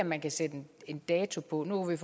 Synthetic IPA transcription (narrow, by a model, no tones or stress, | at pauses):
ɐmænkʰæsed̥e̝nd̥ɛːt͡sʰo̝pʰɒ̽nuʋif